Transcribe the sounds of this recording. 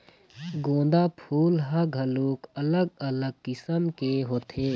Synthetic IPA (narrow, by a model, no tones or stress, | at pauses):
ɡõːnd̪apʰuːlɦəɡʱəluːkələɡələɡ̚kɪsəmkeɦoːt̪ʰeː